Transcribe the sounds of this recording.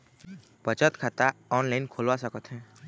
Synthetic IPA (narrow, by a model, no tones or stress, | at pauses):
pət͡ʃət̪kʰat̪aɔːnlaɪnkʰoːlʋasəkət̪ɦɛ̃ː